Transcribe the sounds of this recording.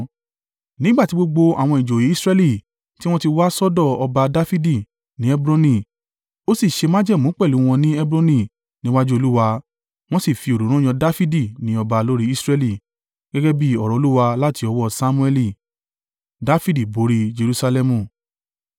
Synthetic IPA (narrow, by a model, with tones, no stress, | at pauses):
nĩ˦ɡ͡ba˦˨ti˦ɡ͡bo˧ɡ͡bo˧a̰˨w̃ɔ̃˧˨i˨d͡ʒo˨ji˨˦sɾɛ˧li˦˨ | ti˦w̃ɔ̃˦ti˧wa˦sɔ˦dɔ˦˨ɔ˧ba˧da˦fi˦di˦˨ | nĩ˨˦ɛ˦bɾɔ̃˧nĩ˦˨ | o˦si˦˨ʃe˧mã˦d͡ʒɛ˦˨mũ˨˦k͡pɛ˦˨lu˨˦w̃ɔ̃˧nĩ˦ɛ˦bɾɔ̃˦nĩ˦˨ | nĩ˦wa˦d͡ʒu˦o˧lu˦wa˧ | w̃ɔ̃˦si˦˨fi˧o˨ɾo˨˦ɾ̃ũ˦˨jɔ̃˧da˦fi˦di˦˨nĩ˨˦ɔ˧ba˧lo˦ɾi˦i˦sɾɛ˧li˦˨ | ɡ̥ɛ˦ɡɛ˦bi˦ɔ˨ɾɔ̃˨o˧lu˦wa˧la˦ti˧ɔ˧wɔ˦sa˦mũ˦ɛ˧li˦˨ | da˦fi˦di˦˨bo˨˦ɾi˦d͡ʒe˧ɾu˧sa˧lɛ˧mũ˨